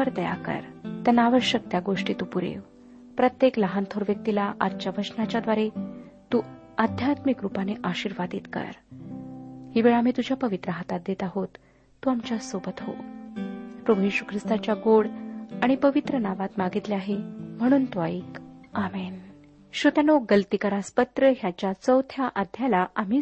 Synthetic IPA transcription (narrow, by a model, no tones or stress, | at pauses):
əɾd̪əja̰kə̰ɾt̪ənaʋəɕjək̚t̪jaɡoʂʈiːt̪upuɾḛʋ | pɾət̪jekləɦant̪ʰoɾʋjək̚t̪ilaʔad̪t͡ɕjaʋəsnat͡ɕjad̪ʋaɾe | t̪uː | əd̪ʱjat̪mikɾupaneʔaɕiɾʋad̪it̪kə̰ɾ | hiʋeɭam̤iːt̪ud͡ʑjapəʋit̪ɾəɦat̪at̪̚d̪et̪aɦot̪ː | uamt͡ɕjasobət̪ɦo̰ | pɾəbujeɕukʰɾist̪at͡ɕjaɡoɽaɽ̃ipəʋit̪ɾənaʋat̪maɡit̪leaɦem̤əɽ̃uːnt̪uaiːkamen | ɕot̪janoɡəlt̪ikəɾaspət̪ɾəɦjat͡ɕjat͡səwt̪ʰjaʔad̪ʱjalaʔam̤iː